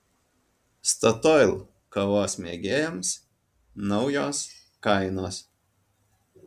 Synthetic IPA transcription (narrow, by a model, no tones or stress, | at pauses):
st̪ɐt̪ɔɪlˠ | kɐʋoːsmʲeːɡʲeːjɛms | nɒʊjoːs | kɐɪnoːs